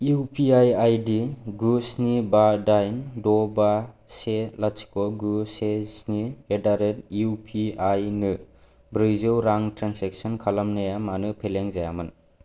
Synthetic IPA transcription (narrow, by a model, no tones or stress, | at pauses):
iupʰiajajdiɡusnibadajndɔbaselasi̥kɔɡusesniedaɾet̚iupʰiajnɯ | bɾɯjzɯwɾaŋtɾanseksɔnkʰalamnajamanɯpʰeleŋzajamɯn